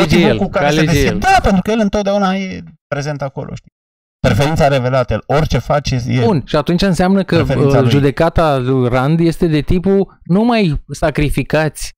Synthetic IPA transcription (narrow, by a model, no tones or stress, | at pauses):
ed͡ʒeelkukaaled͡ʒejeld̪apent̪ɾukəjelɨnt̪ot̪d̪aunajepɾe̞ze̞nt̪ako̞̰lo̰ʃt̪i | pɾefeɾint̪saɾe̞ve̞lat̪əjḛlorʲt͡ʃe̞fat͡ʃejebunʃiat̪unt͡ʃaɨnseamnəkəʒud̪e̞kat̪alujrand̪je̞st̪e̞d̪e̞t̪ipunumajsakɾifikat̪sʲ